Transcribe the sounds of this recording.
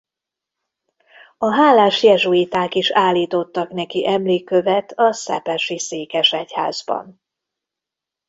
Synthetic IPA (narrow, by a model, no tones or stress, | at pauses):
ɒɦaːlaːʃjɛʒuit̪aːkiʃaːlːiːt̪o̞t̪ːɒknɛkiʔɛmleːkːøvɛt̪ʰɒsɛ̰pɛʃiseːkɛʃɛcha̰ːzbɒ̰n